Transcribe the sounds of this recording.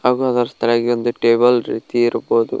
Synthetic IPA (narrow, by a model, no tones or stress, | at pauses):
ɐɡuɦɐd̪ɐɾɐst̪ʰɐlaːɡiond̪uʈeːbɐlɾḭːt̪iiɾuboːd̪ṵ